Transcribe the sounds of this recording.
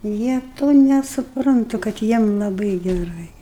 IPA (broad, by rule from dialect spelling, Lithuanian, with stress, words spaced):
ˈjiɛ ˈtoː nʲɛsʊˈprɐntʊ kɐt ˈjiɛm lˠɐˈbɨɪ ɡʲɛˈrɐɪ